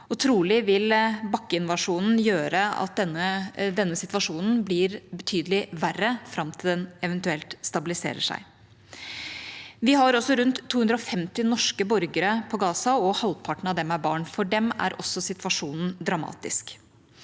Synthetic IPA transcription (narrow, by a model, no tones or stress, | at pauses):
ɔt̪ʰɾuːlɪʋɪlbɑkːəɪnʋɑʂuːnn̩jøːɾəɑ̰t̪̚d̪ɛnːəd̪ɛnːəsɪt̪ʋɑʂuːnn̩blɪɾbət̪ʰyːd̪əlɪʋærəfɾɑmt̪ʰɪld̪ɛnɛʋɛnt̪ʉɛlt̪st̪ɑbɪlɪsḛːɾə̰ʂæ̰ɪ | ʋɪɦɑɾɔsːɔɾʉnt̪ʰːuːʉnd̪ɾəɔfɛmt̪ɪnɔʂkəbɔɾɡəɾəpʰɔɡɑːsɑɔhɑlpʰɑʈɳ̩ɑd̪ɛmæɾbɑːɳfɔɖɛmæ̰ɾʔɔsːɔsɪt̪ʋɑʂuːnn̩d̪ɾɑmɑ̰ːt̪ɪ̰sk